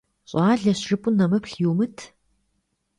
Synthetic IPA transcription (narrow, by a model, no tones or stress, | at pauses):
ɕʼɑːɮɐɕʂɨpʼʊnɐmɨpɬjuwmɨtʰ